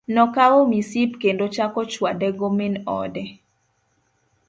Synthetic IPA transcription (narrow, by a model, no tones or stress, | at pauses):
nɔkaomisipkendot͡ʃakɔt͡ʃwadɛɡomɪnɔ̰dɛ